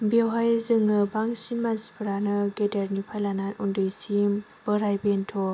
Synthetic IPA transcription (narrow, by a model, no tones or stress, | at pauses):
bewɦajzɯŋːɯbaŋsimasbɯɾanɯɡedeɾnipʰajlananundɯjsim | bɯɾajbentʰɔ